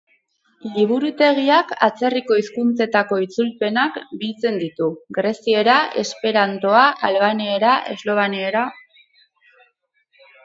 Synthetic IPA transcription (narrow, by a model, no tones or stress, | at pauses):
liβ̞uɾut̪e̞ɣ̞iaka̰t͡se̞riko̞iskunt͡se̞t̪ako̞it͡sulpe̞nakbilt͡se̞nd̪it̪uɡɾe̞sie̞ɾaʔe̞spe̞ɾant̪o̞aʔalβaneeɾaʔe̞̰zlo̞β̞aneeɾa